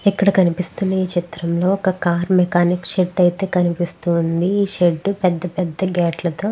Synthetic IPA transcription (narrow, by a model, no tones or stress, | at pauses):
ɛkːɐɽɐkɐnipist̪unːɐiːt͡ʃit̪ɾɐmlo̞ːɔkɐkaːɾmɛkaːnikʂeɖɐjit̪e̞ːkɐnipist̪und̪iiːʃeɖːupɛd̪ːɐpɛd̪ːɐɡɛːʈlɐt̪oː